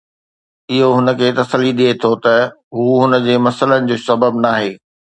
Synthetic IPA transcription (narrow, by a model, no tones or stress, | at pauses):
ɪɦoɦʊnə̆kʰeːt̪ɐsəliɗiet̪ʰot̪ɐ | ɦuːɦʊnə̆d͡ʑeːmɐsələnɪ̆d͡ʑoːsɐbəbnaːɦeː